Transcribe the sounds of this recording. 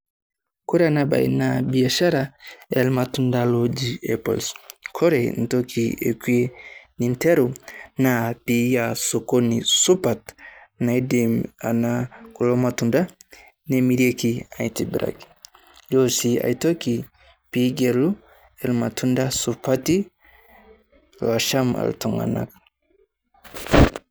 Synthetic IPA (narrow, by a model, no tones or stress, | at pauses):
kɔɾɛanaba̰ḭnabiaʃaɾaɛlmatundalod͡ʒiɛpɔ̰lskʰɔɾɛn̩tɔkʰiḛkwenintɛɾunapijasokonisupatnaidima̰nakulomatunda | nemiɾekiajtibiɾa̰ki̥ | josia̰jtoki | piɡelu | elmatʰundasupati | laʃama̰ltuŋa̰na̰k